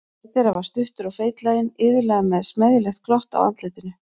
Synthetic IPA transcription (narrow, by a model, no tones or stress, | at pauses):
t̪ɛɾavaɾ̥st̪ʏht̪ʏɾaɣfeːjt̪laːjɪnɪːðʏɾlɛːɣamɛðsmɛðjɪlɛxt̪̚kɾɔht̪a̰wa̰nt̪lɪt̪ɪnʏ